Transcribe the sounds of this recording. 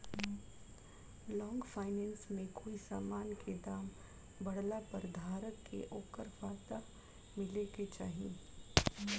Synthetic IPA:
lɔ̃ːŋɡfʰaːɪnɛ̃ːnsmẽkoːisaːmaːnkʰed̪aːm | bɐɽlapəɾd̪ʱaːɾəkːḛʔoːkəɾʋaːt̪a | mɪleɡet͡ʃaːɦiẽ

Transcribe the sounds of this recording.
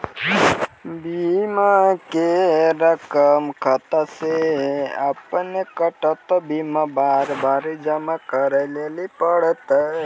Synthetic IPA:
bimakeɾəkəmkʰət̪aseɐ̰pnekəʈət̪bimabaɾbaɾd͡ʒəmakəɾelelipəɽt̪

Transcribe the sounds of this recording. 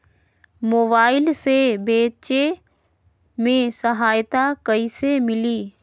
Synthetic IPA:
moːbaːɪlsebeːt͡ʃe | mẽsəɦaːjt̪akɐisemɪliː

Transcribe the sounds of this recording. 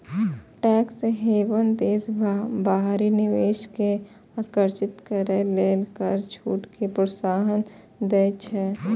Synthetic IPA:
ʈɛːkseɦeːʋənd̪eːsbaɦaɾinɪʋeːʃke | akəɾt͡ʃɪt̪kəɾeleːlkəɾt͡ʃʰṵːʈkʰepɾəsaːɦən | d̪eːt͡ʃʰɛ

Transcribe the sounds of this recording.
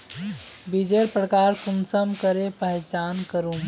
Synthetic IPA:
bid͡ʒeɾpɾəkaɾkunsəmkəɾepəɦt͡ʃankəɾum

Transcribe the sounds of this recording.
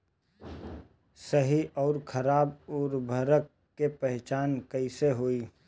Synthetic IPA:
səɦiɔːɾkʰəɾaːbʊɾbʱəɾəkː | epɛɦt͡ʃaːnkəɪseɦoːiː

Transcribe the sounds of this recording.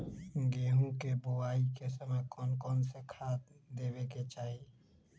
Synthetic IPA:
ɡeːɦũkebʊaːikesəməkɔːnkɔːnsekʰaːt̪d̪eːweket͡ʃaːɦi

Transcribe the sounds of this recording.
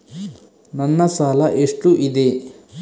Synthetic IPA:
nɐnːɐsaːlɐʔeʂʈuʔid̪e

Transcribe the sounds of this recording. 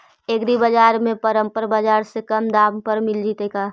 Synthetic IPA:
eɡɾibəd͡ʒaːɾmẽpəɾə̃mpəɾbaːd͡ʒaːɾsekɐmd̪aːmpəɾmɪld͡ʒit̪eːkaː

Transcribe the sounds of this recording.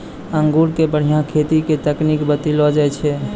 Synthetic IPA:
əŋɡuɾkebəɽ̤ijãkʰet̪iket̪əknikbət̪ilɔd͡ʒaɛt͡ʃʰɛ

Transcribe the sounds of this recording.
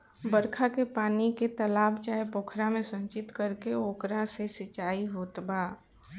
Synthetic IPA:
bəɾkʰakepaːniket̪əlaːbt͡ʃaːɦepoːkʰɾamẽsə̃nt͡ʃɪt̪kəɾkeoːkɾasesɪt͡ʃaːiɦoːt̪baː

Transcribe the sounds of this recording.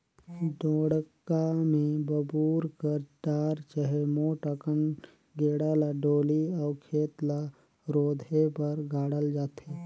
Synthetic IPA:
ɖoːɽkamẽbəbuːɾkəɾʈaːɾt͡ʃəɦemoʈəkən | ɡeːɽaːlaɖoːliɔːkʰeːt̪la | ɾoːd̪ʱepəɾɡʱaːɽəld͡ʒaːt̪eː

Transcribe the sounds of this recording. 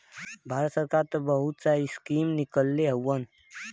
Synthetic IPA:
bʱaɾət̪səɾkaɾt̪əbəɦut̪saiskimnikəlːeɦəwːən

